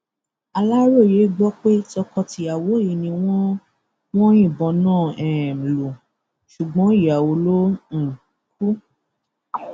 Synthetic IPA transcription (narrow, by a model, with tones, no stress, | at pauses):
a˧la˦ɾo˦˨je˨˦ɡ͡bɔ˦k͡pe˦tɔ˧kɔ˧ti˧a˨wo˨˦i˨˦nĩ˧w̃ɔ̃˦ | w̃ɔ̃˦ĩ˦˨bɔ̃˧nãː˦˨ɛ˨lu˨ | ʃu˨ɡ͡bɔ̃˨˦i˦˨a˨wo˧˦lo˦n̩˦˨ | k̚u˦